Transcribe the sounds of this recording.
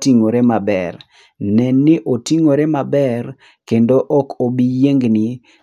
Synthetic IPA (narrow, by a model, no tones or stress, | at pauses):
tiŋoɾemabɛr | nɛnːɪʔotiŋoɾemabɛr | kendoʔɔkʰobijeŋɡnɪ